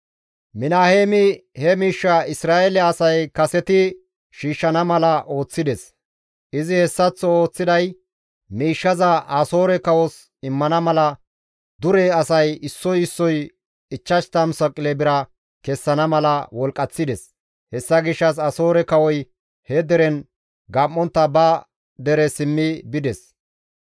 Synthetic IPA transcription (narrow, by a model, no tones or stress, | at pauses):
mɪnaːheːmɪhɛmiːʃːɐɪsɾaːelɛɐsɐjkɐsɛt̪ɪ | ʃiːʃːɐnɐmɐlɐʔo̞ːt͡sːɪd̪ɛs | ʔɪzɪhɛsːɐt͡sːɔo̞ːt͡sːɪd̪ɐj | miːʃːɐzɐʔaso̞ːɾɛkɐwɔs | ɪmːɐnɐmɐlɐ | d̪ʊɾɛɐsɐjɪsːɔjɪsːɔj | ɪt͡ʃːɐʃt̪ɐmsɐkʼːɪlɛbɪɾɐ | kɛsːɐnɐmɐlɐwɔlkʼːɐt͡sːɪd̪ɛs | hɛsːɐɡɪʃːɐs̬ɐso̞ːɾɛkɐwɔj | hɛd̪ɛɾɛn | ɡɐmːɔnt̪ːɐbɐ | d̪ɛɾɛsɪmːɪbɪd̪ɛs